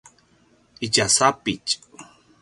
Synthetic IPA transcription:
it͡ʃasapɪt͡ʃʼ

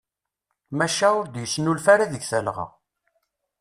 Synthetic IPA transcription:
mæʃæʊɾd̪jəsːnulfæɾiðəɡθəlʁɑ̰

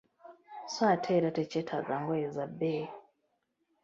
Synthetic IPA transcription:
swatʰeɾatecetʰa̰ɡaŋɡoezabe

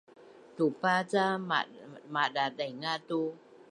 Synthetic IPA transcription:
t̪upat͡sa | maɗaɗajŋat̪u

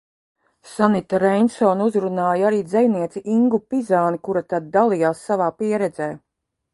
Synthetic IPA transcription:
sanit̪aɾɛjnsɔːnuzɾunaːjaɾiːd̪zɛjniɛt̪siʔiŋɡupizaːnikuɾat̪ad̪̚ːalˠijaːsːavaːpiɛɾɛd̪zɛː

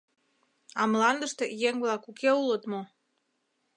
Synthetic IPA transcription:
ɑmlɑnd̪əʃt̪ejeŋβlɑkukeulət̪mo

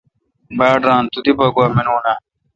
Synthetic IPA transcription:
baːɖɾãːnt̪ud̪ibɐɡwaːminuːna

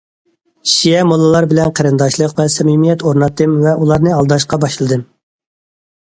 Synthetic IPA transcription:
ʃijɛmolˠɨlˠɑɾbɪlɛnqʰæɾɨnd̪ɑʃlˠəqvɛsɛmimijɛt̪oɾnɑt̪ɨmvɛʔulˠɑɾnɨɑlˠd̪ɑʃqɑbɑʃlˠɨd̪ɨm

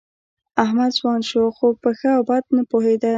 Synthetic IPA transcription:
ahmad̪zwɑnʃoxopəxəawbɑd̪̚napoɦed̪a

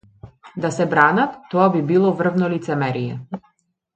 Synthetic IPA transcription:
d̪asɛbɾanat̪ːɔabibilˠɔvr̩vnɔlit̪sɛmɛɾijɛ̰

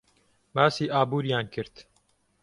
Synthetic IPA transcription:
baːsiːʔaːbuːɾijaːnkɨɾt̪

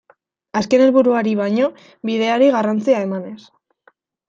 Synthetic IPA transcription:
aske̞ne̞lβuɾuaɾiβ̞ajɲo̞ | βiðe̞aɾiɣarant͡siae̞mane̞s

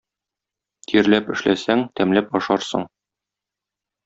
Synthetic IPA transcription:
t̪ʰiɾlæpɘ̆ʃlʔæsæŋt̪æmlæpɒʃɑɾsɤ̰ɴ

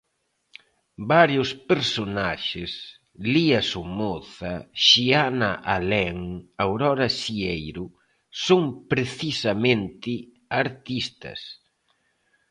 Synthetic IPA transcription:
baɾjʊspeɾsonaʃɪs | liasumoθɐʃianaʔalɛŋawɾɔɾɐsiejɾʊ | soŋpɾeθisamẽnt̪ɪ | aɾt̪ist̪ɐ̰s

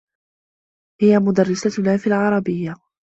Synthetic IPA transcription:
hɪjamʊd̪arːɪsat̪laːfiːlʕɑɾˤɑbɪjːa

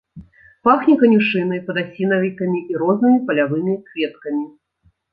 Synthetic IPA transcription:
paxnʲikɐnʲuʂɨnɐjpɐd̪asʲinɐvʲik̪ɐmʲiʔiɾɔznɨmʲipɐlʲavɨmʲikvʲɛt̪̚kɐmʲi

